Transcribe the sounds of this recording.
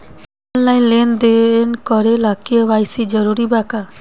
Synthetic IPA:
ɔnlaj̃lend̪eenkɔɾelakiewajsid͡ʒɔɾuɾibaka

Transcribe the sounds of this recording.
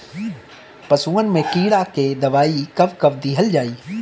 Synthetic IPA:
pɐsũːənɪmẽkiːɽakeːd̪ɐʋaːikɐʋkɐʋd̪iɦɐld͡ʒaːiː

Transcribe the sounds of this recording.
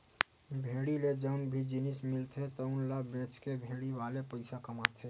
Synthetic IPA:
bʱeːɽiled͡ʒəːnbʱid͡ʒɪnɪsmɪlt̪ʰet̪ɔʊnlabẽːt͡ʃkebʱeːɽiʋaːlepəɪsakɐmat̪ʰeː

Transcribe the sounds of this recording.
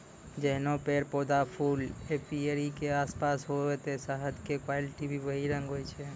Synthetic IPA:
d͡ʒeɦnopeɾpod̪afʰulepieɾikeaspasɦoet̪esaɦəd̪kekʋalɪʈibʱibəɦiɾə̃ŋɡɦojt͡ʃʰe

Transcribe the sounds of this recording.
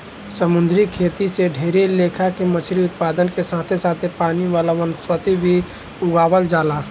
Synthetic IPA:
səmʊnd̪ʱɾikʰeːt̪iseɖʱeːɾeleːkʰakemət͡ʃʰɾiʊt̪̚paːd̪ənkesaːt̪ʰesaːt̪ʰepaːniʋaːlaʋənspət̪ibʱi | ʊɡaːʋəld͡ʒaːlaː

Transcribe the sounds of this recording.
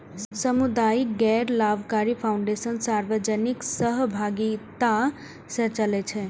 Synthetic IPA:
səmud̪ajiɡɛɾlabʱkaɾipʰawuɳɖesənsaɾʋəd͡ʒəniksəɦbʱaɡit̪a | sət͡ʃəlɛt͡ʃʰɛ

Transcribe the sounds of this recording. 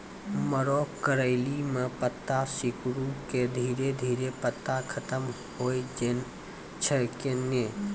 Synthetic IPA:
məɾɔkkːəɾəɪlimẽpət̪ːasɪkɾuked̪ʱiːɾed̪ʱiːɾepət̪ːakʰət̪əm | hojd͡ʒen | t͡ʃʰəkenːe

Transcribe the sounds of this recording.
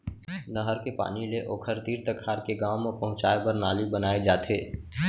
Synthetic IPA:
nəɦəɾkepa̰ːnileʔoːkʰəɾt̪iːɾt̪əkʰːaːɾkeɡaːmɔpɐɦʊ̃t͡ʃaːepəɾnaːlibənaːed͡ʒaːt̪ʰeː

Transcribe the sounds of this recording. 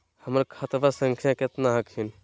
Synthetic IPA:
həməɾkʰət̪basə̃ŋkʰjãkɪt̪naɦəkʰɦin

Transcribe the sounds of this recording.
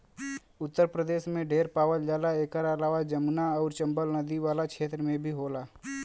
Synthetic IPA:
ʊt̪ːəɾpɾəd̪eːʃmẽɖʱeːɾpaːwəld͡ʒaːlaeːkəɾəlaːʋad͡ʒəmnaɔːɾt͡ʃə̃mbəlnəd̪iʋaːlakʃeːt̪ɾəmẽbʱiɦoːlaː

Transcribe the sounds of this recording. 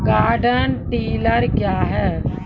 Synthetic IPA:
ɡaːɾɖənʈiːləɾkjaːɦɛː

